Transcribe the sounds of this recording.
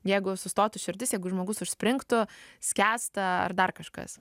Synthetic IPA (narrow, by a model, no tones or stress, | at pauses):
jɛɪɡʊsʊst̪oːt̪ʊʃʲɪrʲd̪ʲɪsjɛɪɡʊʒmoːɡʊsʊʃʲsʲpʲɾʲɪŋkt̪ʊsʲkʲæːst̪ɐɐ̰rd̪ɐrkɐʃkɐ̰s